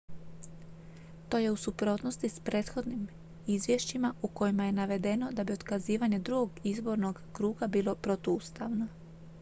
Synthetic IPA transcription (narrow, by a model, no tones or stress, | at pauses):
t̪o̞ːje̞usupɾo̞ːt̪no̞st̪ispɾe̞ːt̪xo̞d̪nim | izʋjeʃt͡ɕimauko̞jimaje̞naʋe̞d̪e̞no̞d̪abio̞d̪̥kaziːʋaɲe̞d̪ɾuɡo̞ɡizbo̞ɾno̞ɡkɾuːɡabiːlo̞pɾo̞t̪ust̪aʋno̞